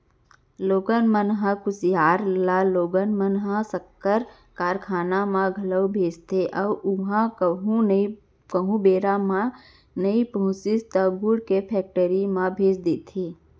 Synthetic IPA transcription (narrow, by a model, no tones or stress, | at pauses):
loːɡənmənɦə̃kʊsjaːɾlaloːɡənmənɦəsəkːəɾ | kaːɾkʰaːnamãɡʱələwbʱeːt͡ʃt̪ʰeʔɔʊɦãkɦũni | kəɦũbeːɾamã | nəipəɦũsist̪əɡuɽkepʰɛːk̚ʈəɾimãbʱeːt͡ʃd̪eːt̪ʰeː